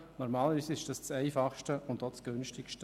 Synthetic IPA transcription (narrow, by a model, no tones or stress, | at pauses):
nɔɾmaːləɾʋiːsɪʃd̥ɑst͡sɛɪfɑχʃtəʊndɔːt͡sɡ̥ʉnʃtɪkʃtə